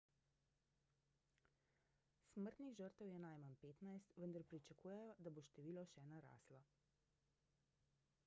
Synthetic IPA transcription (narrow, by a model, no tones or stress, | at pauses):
sməɾt̪niɣʒəɾt̪əwjɛnajmanpeːt̪najst̪ʋənd̪aɾpɾit͡ʃakuːjɛjɔd̪aboʃt̪ɛʋiːlɔʃɛnaɾa̰ːslɔ